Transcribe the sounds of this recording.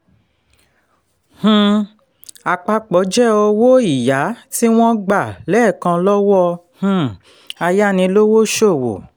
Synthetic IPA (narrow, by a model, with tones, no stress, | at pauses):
h̩˧ | a˨k͡pa˧k͡pɔ˨˦d͡ʒɛ˦o˧wo˦i˦˨ja˨˦ti˦w̃ɔ̃˦ɡ͡ba˦˨lɛ˦˨kã˧lɔ˦wɔ˦ | h̩˧ | a˧ja˦nĩ˧lo˦wo˦ʃo˦˨wo̰˨